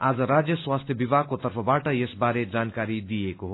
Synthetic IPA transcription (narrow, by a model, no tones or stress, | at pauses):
aːd͡zʌɾad͡zjəswast̪ʰjəbibakot̪ɐɾpʰʌbaʈʌjesbaːɾed͡zaːnkaɾid̪ijekoɦo